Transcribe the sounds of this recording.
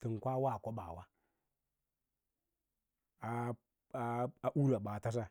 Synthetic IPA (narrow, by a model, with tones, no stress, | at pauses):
ti˨ŋ˨kʷa˦wa˦˨kʷo˦ɓa̰˨wa˦ | a˦ | a˦a˦ʔu˦ɾa˨ɓa˨ta˦s̬a˦